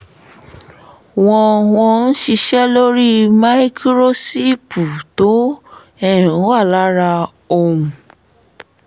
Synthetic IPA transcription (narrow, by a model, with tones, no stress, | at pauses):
w̃ɔ̃˧w̃ɔ̃˧n̩˦ʃi˧ʃɛ˦lo˦ɾi˦ma˦i˦kʰɾo˦si˦pu˨to˨˦ | ɛ˦˨ɾ̃ũ˨˦wa˦˨la˦ɾa˧ | o˧˨wũ˨